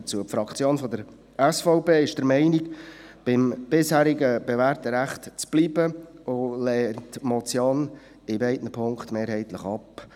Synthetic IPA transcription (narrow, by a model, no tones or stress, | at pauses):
t͡suəpfɾɑkt͡sjoːnfɔdəɾ | ɛsfɔʊpeːɪʃd̥əɾmɛɪnikb̥ɪmb̥ɪshæːɾiɡəb̥ɛvæɾtəɾæχtt͡sb̥liːbəolɛːntmɔt͡sjɔn | ɪbɛɪtnəpʰʊŋkχtmeːɾɦɛɪtləχɑp